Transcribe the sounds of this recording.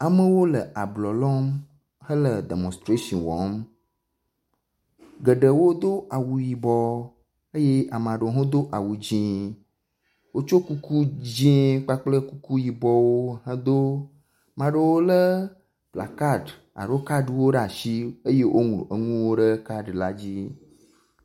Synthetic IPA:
a˨mə̃˦wo˦lə˨ʔa˨blɔ˨lɔ˦m | hə˦lə˨d̪ḛ˨mɔ̃˨st̪ɾe˦ʃɔ˨nwɔ̰˨˦m | ɡə˨ɖə˨wo˦d̪o˦a˨wu˨ji˨bɔ˦ | ə˦je˦ʔa˨mã˨ɖə˨o˨˦ɦõ˦d̪o˦ʔa˨wu˨d͡ʑĩ˦ | wo˦t͡ʃo˦ku˦ku˦d͡ʑĩ˦k͡pa˦k͡plə˦ku˦ku˦ji˨bɔ˦wo˦ɦə̃˦d̪o˦ | mã˨ɖə˨wo˦lə˦ | pla̰˨ka˦ɖ | a̰˨ɖo˦ka˦ɖwo˦ɖa˨ʃi˦ə˦je˦wʔo̰˦ŋlṵ̃˨ʔə˨ŋũ˦wo˦ɖə˦ka˦ɖla˦d͡ʑi˦

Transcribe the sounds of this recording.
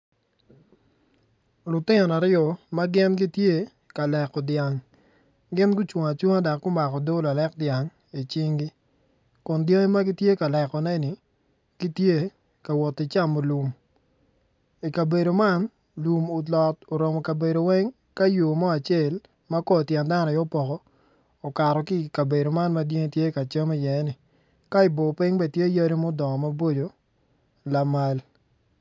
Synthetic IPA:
lʊ˨tɪ˦nɔ˨na˨ɾɪɔ˨ma˦ɡɪ˦nɡi˦tje˦ | ka˨lɛ˨kɔ˨dja˨ŋ | ɡɪ˦nɡʊ˦t͡ʃwo˨ŋa˨t͡ʃu˦ŋa˦da˨kɡʊ˦ma˨kɔ˨do˦la˨lɛ˦k̚dja˨ŋ | i˨t͡ʃi˦ŋɡi˦ | kʊ˨ndjo˦ŋi˦ma˦ɡi˦tje˦ka˨lɛ˨kɔ˨nɛ˦nɪ˨ | ɡ̥i˦tje˦ | ka˨wɔ˨tɪ˨t͡ʃa˦mo˨lu˨m | i˨ka˨be˨do˨ma˦n | lu˨mʊ˨lɔ˨to˨ɾo˨mɔ˨ka˨be˨do˨wɛ˦ŋ | ka˦jo˨mɔ˦a˨t͡ʃe˦˨l | ma˦kɔ˦˨tjɛ˨nda˦nɔ˨jɔ˦pɔ˨kɔː˦˨ | ka˨ɾɔ˨kɪ˦˨ka˨be˨do˨ma˦nma˦dje˦ŋe˦tje˦ka˨t͡ʃa˦me˦jɛ˨˦nɪ˨ | ka˦ɪ˨bo˨pɪ˦ŋbɛ˦tje˦ja˦ɾi˦mo˦dɔ˨ŋɔ˨ma˦bo˦d͡ʒo˨ | la˨ma˦l

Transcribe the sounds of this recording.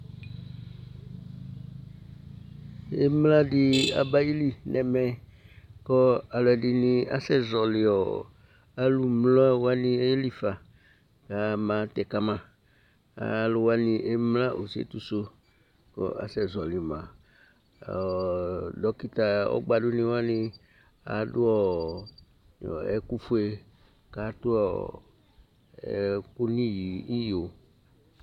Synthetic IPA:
e˦mla˦dɪ˦a̰˨ba˦ji˦li˦nʔɛ˨mɛ˨kɔ˦a˨lɔ˨ɛ˨di˨nĩ˨a̰˦sɛ˦zɔ˨lɪ˨ɔ˨ | a˦lu˨mlɔ˦a˦wa˦nĩ˨e˦li˦fa˨ | ka˨mã˨˦t̪ɛ˨ka˨mã˨ | a̰˨lo˨wa˦nĩ˨ʔe˦mlã˦ʔo˨sḛ˦t̪u˦so˦ | ko̰˦a̰˨sɛ˦˨zɔ˨li˨mã˨ | dɔ˦ki˦t̪a˨ɔ̰˦ɡ͡ba˨do˦nĩ˦wa˦nĩ˦ | a̰˨do˦ɔ˦˨ | ɛ˦ku˦fu˦e˦ | ka˦t̪o˦ɔ˨ | ɛ̰˨ku˦nĩ˦ji˨i˦jo˨

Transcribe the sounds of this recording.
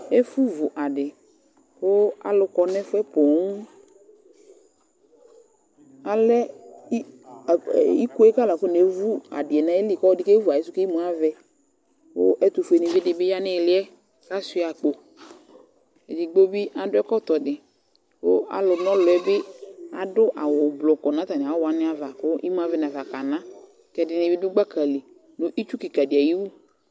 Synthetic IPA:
e˦fu˦vʊ˨ʔa˨ɖɪ˨ | wo˦a̰˨lʊ˨kɔ˨nɛ˦fʊ˦ɛ˦po˨˦ŋ˦ | a˨lɛ˦˨ | i˦ku˦ɛ˦ka˦la˨ko˦ne˨˦vu˦a̰˨dɪ˨ɛ˨nã˦e˦li˨kɔ˦dɪ˦ke˦vu˨a˨e˨˦sʊ˦ke˦i˦mũ˨˦a˦vɛ˦ | wo˦ʔɛ˦t̪ʊ˨fe˨nĩ˨vɪ˦dɪ˨bɪ˦ja˦nɪ̃˦˨lɪ˦ɛ˦ | ka˦sʊ˦a˨k͡po˨ | ɛ˨d͡ʒɪ˨ɡ͡bo˦bɪ˦a˨dʊ˦ɛ˦kɔ˦t̪ɔ˨dɪ˨ | wʊ˦a̰˨˦lʊ˨nɔ˦lʊ˨ɛ˦bɪ˦a˨dʊ˦ʔa˨wʊ˨blɔ˨kɔ˨nã˨˦t̪a˨nɪ˨a˨˦wa˨nɪ̃˦a˨va˨kʊ˦ʔi˦mʊ˦a˦vɛ˦na˨va˨ka˨nã˦ | kɛ˨dɪ˨nɪ˨bɪ˦dʊ˦ɡ͡ba˦ka˨li˨ | nʊ˨ʔi˦t͡ʃu˦ki˨ka˨dɪ˨a˨ji˦wu˦

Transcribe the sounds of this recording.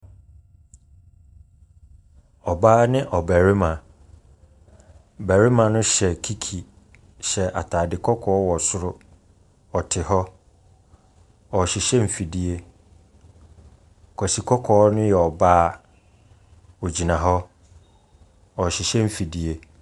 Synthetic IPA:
ɔ˨baː˦nɪ̃˦ʔɔ˨bæ˨ɾɪ˦mã˨ | bæ˨ɾɪ˦mã˨nʊ̃˦ɕɛ˨kʰi˦kʰi˨ | ɕɛ˨ʔa̰˨tʰa˨dɪ˨kʰɔ˦kʰɔː˨˦wɔ˨sʊ˦ɾʊ˦ | ɔ˨tʰɪ˨hɔ˦ | ɔ˨ɕɪ˨ɕɛ˦m̩˨fi˨di˦e˦˨ | kʰɔ˨si˨kʰɔ˦kʰɔː˨˦nʊ̃˦jɛ˨ɔ˨baː˦ | o˨d͡ʑi˨nã˨ɦɔ˦ | ɔ˨ɕɪ˨ɕɛ˦m̩˨fi˨di˦e˦

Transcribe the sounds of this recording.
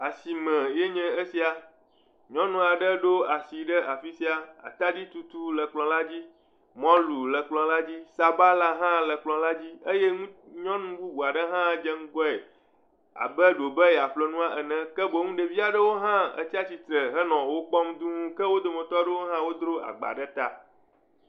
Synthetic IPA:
a˨si˨mɛ̃˨je˦ɲɛ̃˦e˦si˨a˨ | ɲɔ̃˦nũ˦a˨ɖə˦ɖo˦a˨si˨ɖə˦ʔa˨fi˦si˨˦a˨a̰˨t̪a˦d͡ʑi˦t̪u˦t̪u˦lə˨k͡plɔ̃˨la˦d͡ʑi˦ | mɔ̃˦lu˨lə˨k͡plɔ̃˨la˦d͡ʑi˦sa˨ba˦la˦ɦã˦lə˨k͡plɔ̃˨la˦d͡ʑi˦e˦je˦ŋũ˦ɲɔ̃˦nũ˦bu˦bu˨a˨ɖə˦ɦã˦d͡ʒɛ˦ŋ̩˦ɡɔ˦e˨ | a̰˨bə˦ɖo˨bə˦jɛ˨a˨ɸlo˨nũ˦a˦ʔə˨nɛ̃˦kə˦bo˨ŋũ˦ɖe˨vi˦a˨ɖə˦wo˦ɦã˦ə̰˦t͡ɕi˦a˦t͡ɕi˨t̪ɾə˨ɦə˦nɔ̃˨wo˦k͡pɔ˦md̪u˦ŋũ˦kɛ˦wo˦d̪o˨mɛ̃˨t̪ɔ˦ɖə˦wo˦ɦã˦wo˦d̪ɾo˦a̰˨ɡ͡ba̰˨ɖə˦t̪a˦

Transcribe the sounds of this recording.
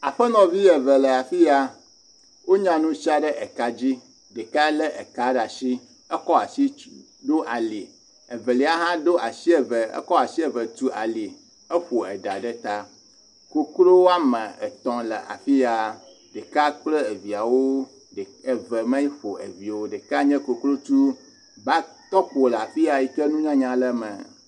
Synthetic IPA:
a˨ɸə˦nɔ̃˨vi˦jə˨və˨lə˨a˨fi˦ja˨ | wo˦ɲã˨nũ˦si˦a˦ɖə˦ʔə˨ka˦d͡ʑi˦ | ɖə˨ka˦lə˦ʔə˨ka˦ɖa˨ʃi˦ | ə˦kɔ˦a˨si˦ | ɖo˦ʔa˨li˨ | ə˨və˨li˨˦a˦ɦã˦ɖo˦ʔa˨si˦ə˨və˨ə̰˦kɔ˦a˨si˦ə˨və˨t̪u˦ʔa̰˨li˨ | ə˦ɸo˨ə˨ɖa˨ɖə˦t̪a˦ | ko˦klo˦wo˦a˦mə̃˨ə˨t̪ɔ̃˨lə˨ʔa̰˨fi˦ja˨ | ɖə˨ka˦k͡plə˦ə˨vi˨a˨wo˦ | ɖə˨və˨mɛ̃˦ji˦ɸo˨ə˨vi˨wo˦ɖə˨ka˦ɲɛ̃˦ko˨klo˦t͡ʃu˦ | ba˦ | t̪ɔ˦k͡po˨la˨fi˦a˨ji˨kə˦nũ˦ɲã˦ɲã˦lə˦mə̃˨

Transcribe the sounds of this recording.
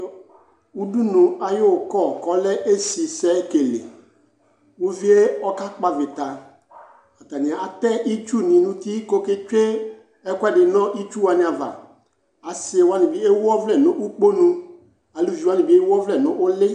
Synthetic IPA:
u˦du˦nũ˨a˨jo˦˨kɔ˦˨kɔ˦lɛ˦ʔe˦si˨sɛ˦ke˨lḛ˨ | wu˦vi˦e˦ɔ˦ka˦k͡pa˨vɪ˨t̪a˨ | a˨t̪a˨nɪ̃˨a˨a˨t̪ɛ˦ʔi˦t͡ʃu˦nĩ˨nũ˦t̪i˦ko˦ke˦t͡ʃe˦ | ɛ˦kʷɛ˦˨dɪ˨nɔ̃˦ʔi˦t͡ʃu˦wa˨nɪ̃˨a˨va̰˨ | a˨sɪ˨e˨wa˦nɪ̃˨bi˦e˦wɔ˦vlɛ˦˨nʊ̃˦ʔu˦k͡po˦nũ˦ | a˨lu˦˨vi˨wa˦nɪ̃˨bi˦e˦wɔ˦vlɛ˦˨nʊ̃˦ʔʊ˦lɪ˦

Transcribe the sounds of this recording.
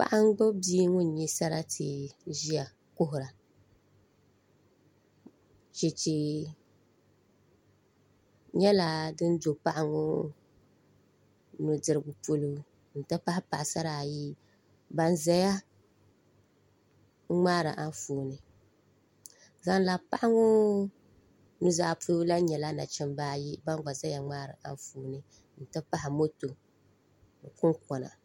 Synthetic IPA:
pa̰˦ʔa˦ŋ˦ɡ͡bo˦biː˦ŋʊ˦n˨ɲi˦sa˦ɾa˦tʰɨ˨˦ʒi˦a˨ | ko˦ɦʊ˨ɾa˨ | t͡ʃe˨t͡ʃi˨ | ɲɛ˦la˨dɨ˦n˦do˨pa˦ʔa˦ŋo˦ | nʊ˨dɨ˨ɾɨ˨ɡʊ˨po˦lu˦˨ | n̩˨ta˦pa˦hɪ˦pa˨ʔsa˦ɾa˨ji˦ | ba˦nza˦ja˦ | ŋ͡maː˦ɾɨ˨ʔa˦fuː˨nɨ˨ | za˦n˦la˨pa˦ʔa˦ŋʊ˦ | nu˨za˨pʰo˦lu˦la˦ɲɛ˨la˦na̰˨t͡ʃɛ˦m˦baː˦ji˦ba˦ŋ˦ɡ͡ba˨za˦ja˨ŋ͡maː˦ɾɨ̰˨ʔa̰˦n˦fuː˨˦nɨ˦ | n̩˨tɨ˦pa˦ɦɪ˨mo˦to˨ | n˨kʊ˦ŋkɔ˨na̰˨

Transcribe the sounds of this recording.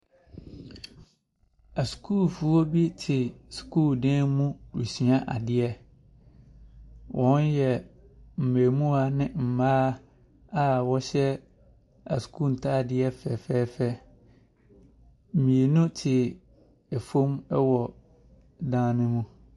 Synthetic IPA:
a˨skʰuː˦˨lfu˨ɔ˦bi˦tʰɪ˨skʰuː˦ldɛ̃˦mũ˦ɾi˨si˨a˦ʔa̰˨dɪ˨˦ɛ˦ | wʔɔ̃˦njɛ˨ | m̩˨me˨mũ˦a˦nɪ̃˦m̩˨maː˦ | a˦wɔ˦ɕɛ˦ | a˨su̥˨kʰu˦˨n̩˨tʰa˦˨dɪ˦ɛ˦fɛ˨fɛ˦fɛ˦ | m̩˨mĩ˨e˨nũ˦tʰɪ˨ | ɛ˨fõ˦mɛ˦wɔ˨ | dãː˦nɪ̃˦mũ˦

